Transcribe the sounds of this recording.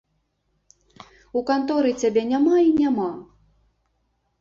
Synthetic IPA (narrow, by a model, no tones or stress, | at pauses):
ukant̪ɔɾɨt͡sʲabʲɛnʲamainʲama